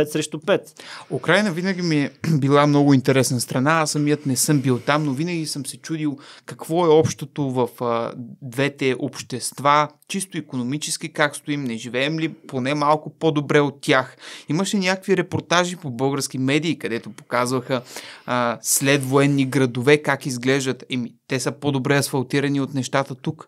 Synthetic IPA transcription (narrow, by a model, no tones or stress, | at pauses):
ɛt̪sɾɛʃt̪ʊpɛt̪ukɾajnəvinəɡʲimiɛbilˠamnɔɡʊint̪ɛɾɛsnəst̪ɾɐnasɐmiət̪nɛsɤmbilˠt̪amnovinəɡʲisəmsɛt͡ʃud̪ilˠkɐkvɔɛɔpʃt̪ot̪ovɐfd̪vɛt̪ɛʔopʃt̪ɛst̪vat͡ʃist̪oikonomit͡ʃɛskikakst̪ʊimnɛʒivɛːmliponɛmalˠkʊpod̪obɾɛot̪ʲːjaximəʃɛnʲakəkviɾɛpoɾt̪aʒipobɤlˠɡəɾsk̟imɛd̪iːkɐd̪ɛt̪opo̥kazvəxə | slɛt̪voɛnːiɡɾɐd̪ovɛkakizɡlɛʒd̪ət̪ɛmit̪ɛsəpod̪obɾɛɐsfɐlˠt̪iɾɐniot̪nɛʃt̪at̪ət̪uk